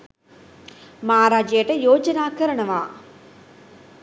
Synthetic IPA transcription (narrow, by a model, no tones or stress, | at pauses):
maɦaɾaːd͡ʒɐjɐʈəjoːd͡ʒɐnaːkɐɾɐɳɐʋaː